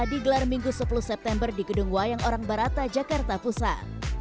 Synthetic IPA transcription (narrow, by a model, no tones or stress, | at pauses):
adiɡəlarmiŋɡusəpuluhsɛp̚t̪ɛmbərdiɡəduŋwajaŋoɾaŋbaɾat̪ad͡ʒakart̪apusa